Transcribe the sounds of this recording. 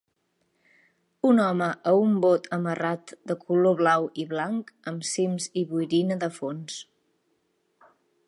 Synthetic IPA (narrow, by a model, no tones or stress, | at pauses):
unɔməʔəumbot̪ʰəmərat̪d̪əkʰuloβlawiβlaŋkəmsimziβujɾinəðəfons